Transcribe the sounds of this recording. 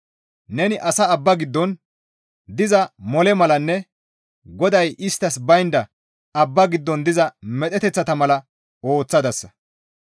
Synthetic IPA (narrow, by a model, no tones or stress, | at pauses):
nɛnɪʔɐsɐːbːɐɡɪd̪ːɔn | d̪ɪzɐmɔlɛmɐlɐnːɛ | ɡɔd̪ɐjɪst̪ːɐsbɐjnd̪ɐ | ɐbːɐɡɪd̪ːɔnd̪ɪzɐmɛt̪ʼɛt̪ɛt͡sːɐt̪ɐmɐlɐ | o̞ːt͡sːɐd̪ɐsːɐ̥